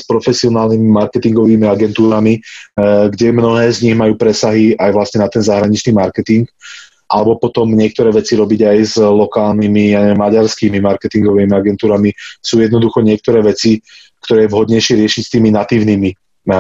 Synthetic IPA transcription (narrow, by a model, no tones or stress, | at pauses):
spɾɔfɛsiɔnaːlnimimaɾkɛt̪iŋɡɔʋiːmiaɡɛnt̪uːɾami | ɡɟɛmnɔɦɛːzɲiɣmajuːpɾɛsaɦiajʋlast̪ɲɛnat̪ɛnzaɦɾaɲit͡ʃniːmaɾkɛt̪iŋɡ | ʔalɛbɔpɔt̪ɔmɲɪɛk̚t̪ɔɾɛːʋɛt͡siɾɔbiɟajzlɔkaːlnimijaɲɛɛmːaɟaɾskiːmimaɾkɛt̪iŋɡɔʋiːmiaɡɛnt̪uːɾamisuːjɛd̪nɔd̪uxɔɲɪɛk̚t̪ɔɾɛːʋɛt͡si | kt̪ɔɾɛːjɛʋɦɔd̪ɲɛjʃɪɛɾɪɛʃicst̪iːminat̪iːʊniːmi